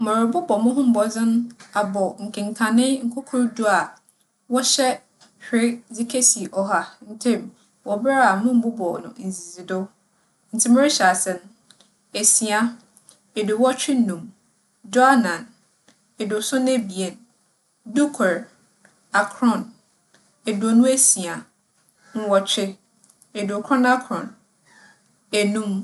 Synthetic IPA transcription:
mã˨ɾʊ˨bʊ˦bɔ˨mʊ̃˦ɦʊ̃˦m̩˦bɔ˨d͡zɪ̃˦na˨bɔ˨ŋ̩˨kʰɪ̃˨ŋ˨kʰã˨nɪ̃˦ŋ̩˦kʰʊ˦kʰʊ˦ɾdu˦a˨ | wɔ˦ɕɛ˦ | hᶣɪ˦d͡zɪ˦kʰe˦si˨ʔɔ˨ɦa˦n̩˦tʰɪ̃˦˨m | wɔ˨ba˦a˨mʊ̃˦m̩˨˦bʊ˦bɔ˨nʊ̰̃˨n̩˨zi˨zi˨dʊ˦ | n̩˨tʰɪ˦mʊ̃˦ɾɪ˦ɕɛ˨a˨sɛ˨n | e˨si˨a˦ | e˨dʊ˨wɔ˦t͡ɕᶣɪ˦nũ˨m | d͡ʒɔ˦a˦nã˨n | ɛ˨dʊ˨sʊ̃˦ne˦bi˨e˨n | du˦kʰɾ | a˨kʰɾɔ̃˨n | e˨dʊ˨ɔ˨nũ˦æ˦si˨a˨ | ŋ̩˦wɔ˨t͡ɕᶣɪ˦ | e˨dʊ˨kʰɾɔ̃˦na˦kʰɾɔ̰̃˨n | e˨nũ˦m

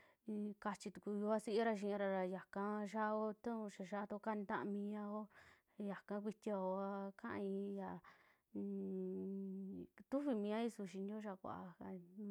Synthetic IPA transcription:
i˧ka˧t͡ʃi˧t̪u̥˨ku˧ju˧a˦si˦i˦ɾa˧ʃ̬ĩ˧ɾa˧ɾa˧ja˨kã˧ʃ̬a˦˧o˦t̪ã˦ũ˧ʃa˧ʃa˧˦˧t̪o˧ka˦˧nd̪ã˦˧mĩ˧ã˧o˦˨ | ja˨kã˧˦kʷi˧t̪ʲi˧a˧o˧a˧kã̰˦ʔĩ˧ja˧˨˧ | t̪u˦βi˧mĩ˧ã˦i˦su˧ʃ̬i˧nd̪o˦ʃa˧kʷa̰˧˨ʔa̰˧a˧

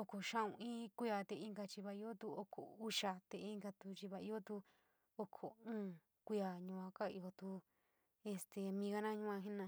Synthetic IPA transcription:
o˧kʰo˨ʃã˦ũ˧ĩ˦kʷi˦a˧t̪e˧ĩ˧ŋɡa˧t͡ʃi˧βa˧i˧o˦t̪u˧o˧kʰo̰˨u˧˦ʃa˧t̪e˧i˧ŋɡa˧t̪u˧t͡ʃi˧βa˧i˧˦o˦t̪u˧ | o˧kʰo˨ũː˦ | kʷi˦a˨ɲũ˧ã˧ka˦ḭ˧o˧t̪u˧ | e˧st̪e˨mĩ˧ɣa˧nã˦ɲũ˦ã˧ɦĩ˦nã˧

